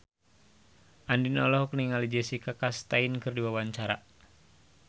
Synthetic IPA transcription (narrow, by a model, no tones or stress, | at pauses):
ʔandinɔlɔhkniŋalid͡ʒɛsikakast̪ainkɨrdiwawaɲt͡ʃaɾa̰